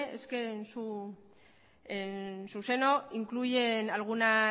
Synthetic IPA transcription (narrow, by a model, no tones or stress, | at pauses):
eskensu | esuse̞no̞iŋkluʝe̞nalɣ̞una